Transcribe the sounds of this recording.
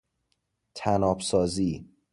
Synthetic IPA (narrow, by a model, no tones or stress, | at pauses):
t̪ʰænɒːbsɒːziː